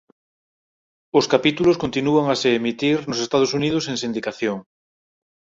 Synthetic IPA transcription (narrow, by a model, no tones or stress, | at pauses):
oskapit̪uloskont̪inuaŋaseːmit̪iɾnosest̪að̞osuniðoseŋsĩnd̪ikaθjoŋ